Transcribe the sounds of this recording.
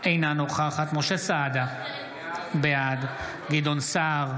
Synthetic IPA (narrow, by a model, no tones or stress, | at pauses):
ejnanoχaχat̪moʃesad̪a | bead̪ | ɡid̪onsaʁ